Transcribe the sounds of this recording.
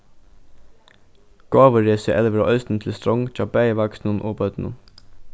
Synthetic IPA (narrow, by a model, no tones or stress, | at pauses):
ɡ̥ɑːʋəɹeːsəʔɛlʋəɾo̰ːʔœst̪n̩t̪ʰl̩st̪ɾɔŋt̪ʰɑːbæɪəʋɑksnənʔo̰ːbɑʉt̪n̩ə̰n